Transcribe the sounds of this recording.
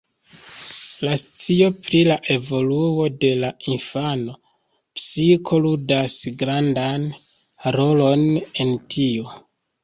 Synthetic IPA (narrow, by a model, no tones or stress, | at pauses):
last͡sio̞pɾilaʔe̞vo̞luo̞de̞lainfano̞ | psikʰo̞ludasɡɾandan | ɾo̞lo̞ne̞ntʰio̞